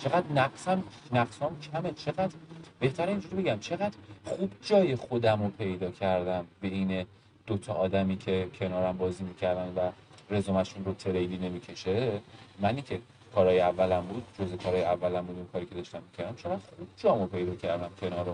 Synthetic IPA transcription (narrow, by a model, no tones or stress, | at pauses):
t͡ʃʰe̞ɣæd̪næɢsæmnæɡshɒmcʰæmet͡ʃʰe̞ɣæd̪ɾb̥e̞ht̪ʰæɾiːnd͡ʒuɾibe̞ɟæmt͡ʃʰe̞ɣæd̪ɾχuːbd͡ʒɒːje̞xod̪æmopʰe̞jd̪ɒːcʰæɾd̪æmbe̞iːne | d̪̥ot̪ʰɒʔːd̪æmiːcʰe̞cʰe̞nɒːɾæmbɒːziːmicʰæɾd̪ænd̪væ | re̞zomæʃunrot̪ʰe̞ɾejliːne̞micʰe̞ʃe̞mæniŋcʰe | kʰɒːɾɒːjeævːælæmbuːd̪̚d͡ʒozekʰɒːɾɒːjeævːælæmbuːd̪uːnkʰɒːɾikcʰed̪ɒːʃt̪æmːicʰæɾd̪æmt͡ʃʰe̞ɣæd̪̥χub̥̚d͡ʒɒːmopʰe̞jd̪ɒːcʰæɾd̪æmcʲʰe̞nɒːɾo